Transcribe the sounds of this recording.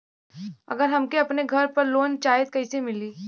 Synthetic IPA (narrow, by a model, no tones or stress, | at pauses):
ɐ̰ɡəɾɦɐmkeɐpneɡʱɐɾpɐɾloːnt͡ʃaːjəd̪kɐɪsemɪliː